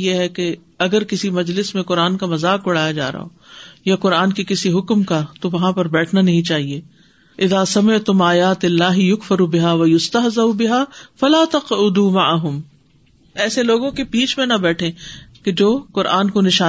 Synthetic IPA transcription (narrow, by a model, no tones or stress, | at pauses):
jeɦɛke | ɐɡəɾkɪsimɐd͡ʒlɪsmẽqʊɾaːnkamɐzaːkʊɽaːjad͡ʒa̰ːɾɐ̰ɦo̰ːjaqʊɾaːnkikɪsiɦʊkmkat̪oʋɐɦãpɐɾbɛːʈʰnanɐɦĩt͡ʃaːɦieː | ʔɪðaːsɐmɪʕt̪ʊmaːjaːt̪ɪlːaːɦɪjʊkfɐɾubɪɦaːʋɐjʊst̪ɐɦzaubɪɦaːfɐlaːt̪ɐqʊd̪uːmaʕaɦʊm | ɛːseloːɡõkepiːt͡ʃmẽnabɛːʈʰẽked͡ʒoːkʊɾʔaːnkonɪʃaː